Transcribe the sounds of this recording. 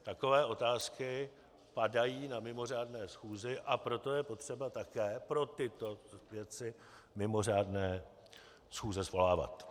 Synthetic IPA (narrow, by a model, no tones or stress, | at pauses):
t̪ako̞vɛːʔo̞t̪aːskɪ | padajiːnamɪmo̞r̝aːdnɛːsxuːzɪʔapɾo̞t̪o̞jɛpo̞t̪r̝̥ɛbat̪akɛːpɾo̞t̪ɪt̪o̞vjɛt͡sɪ | mɪmo̞raːdnɛː | sxuːzɛzvo̞laːva̰t̪